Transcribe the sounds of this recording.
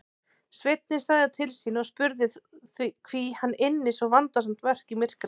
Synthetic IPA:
svɪt̪̚nɪ̥saːɣðat̪ʰɪlsiːnɔɣspʏɾðɪðθvikʰv̥ihanːʔɪnːɪsɔvant̪as̬am̥t̪vɛr̥cimɪr̥kɾ

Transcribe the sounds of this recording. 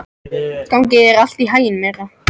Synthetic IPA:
skawŋcɪɛɾal̥t̪iɦaːjɪnmɛːɾa

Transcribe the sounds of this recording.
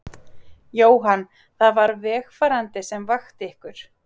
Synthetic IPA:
joːwɦanː | θaðvaɾvɛːxfaɾant̪ɪsɛmvaxt̪ɪɪhkʏɾ̥

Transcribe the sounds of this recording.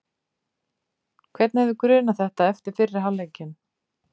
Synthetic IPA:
kʰvɛt̪nhɛvðʏkɾʏːnaθɛht̪aɛft̪ɪɾ̥fɪɾːɪ̥ɦawleːjcɪn

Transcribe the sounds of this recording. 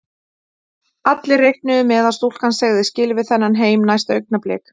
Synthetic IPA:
at̪lɪrejhknʏðʏmɛðaðst̪ouwl̥kansɛɣðɪscɪlvɪθɛnːanɦeːjmnajst̪œɥk̚naplɛ̰ːk

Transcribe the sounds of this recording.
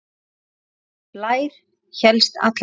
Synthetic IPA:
plaːjɾ̥ | çɛlst̪a̰t̪l

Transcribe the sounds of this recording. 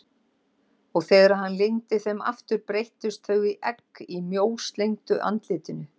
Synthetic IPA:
ɔɣθɛːɣaɾaɦanlejŋt̪ɪθɛma̰ft̪ʏɾpɾejht̪ʏst̪θœɣiʔɛkːimjoːwst̪lejŋt̪ʏʔa̰nt̪lɪːt̪ʏnʏ

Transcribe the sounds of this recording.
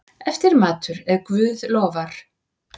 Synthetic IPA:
ɛft̪ɪɾmaːt̪ʏɾɛɾkvʏːðlɔːvaɾ̥

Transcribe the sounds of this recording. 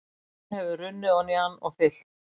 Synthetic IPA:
hɛvʏrʏnːʏɔnianːɔ̰ɣfɪl̥

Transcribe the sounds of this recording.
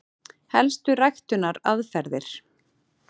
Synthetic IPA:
hɛlst̪ʏrajxt̪ʏnaɾaðfɛɾðɪɾ̥

